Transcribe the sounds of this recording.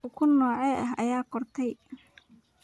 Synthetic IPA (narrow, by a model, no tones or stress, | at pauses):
ʊkʰʊnːɔːʕɛʔɐɦɐjaːqɔrt̪ʰɛj